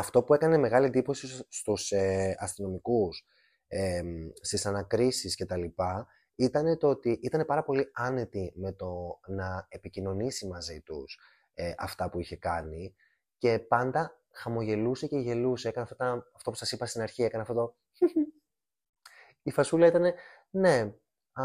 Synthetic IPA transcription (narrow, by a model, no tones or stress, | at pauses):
ɐft̪o̞pue̞kɐne̞me̞ɣɐliend̪ipo̞sist̪useɐst̪ino̞mikus | est̪isɐnɐkɾisisce̞t̪ɐlipɐ | it̪ɐne̞t̪oot̪iʔit̪ɐne̞pɐɾɐpo̞liɐne̞t̪ime̞t̪o̞nɐe̞picino̞nisimɐzit̪ṵs | eʔɐ̰ft̪ɐpuiçe̞kɐni | ce̞pɐnd̪ɐ | xɐmo̞ʝe̞luse̞ce̞ʝe̞luseekɐneɐft̪ɐt̪ɐɐft̪o̞pu̥sɐsipɐst̪inɐɾçie̞kɐneɐft̪ot̪o | ifɐsulɐit̪ɐne̞ | ne̞